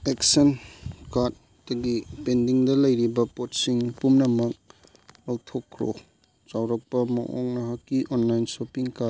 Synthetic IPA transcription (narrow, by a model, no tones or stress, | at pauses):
eksɐnkaɾt̚ | dɐɡipendiŋdɐlɐjɾibɐpot̚siŋpumnɐmɐk̚ | lowtʰokʰːɾo̰ | t͡ʃawɾɐk̚pɐmɐ̰ʔo̰ŋnɐɦakːiʔonlajnsopiŋka